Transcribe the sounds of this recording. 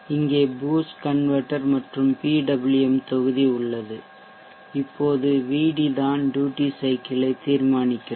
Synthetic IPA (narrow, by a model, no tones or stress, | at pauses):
ɪŋɡeːbuːskɐnʋɐʈːɐɾmɐʈrɯmpiːɖɐbɪlɯɛmt̪ɔɣɯðiʊɭːɐðɯ | ɪpːoːðɯʋiːɽiðaːnɖjuːʈisɐɪkɪlɐɪt̪ːiːɾmaːnɪkʲːɯ